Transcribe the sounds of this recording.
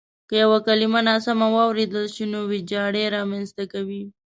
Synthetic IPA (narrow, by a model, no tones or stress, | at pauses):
kəjawakalimanasamawɑwɾed̪əlʃinowid͡ʒɑɽeɾɑmanst̪akawi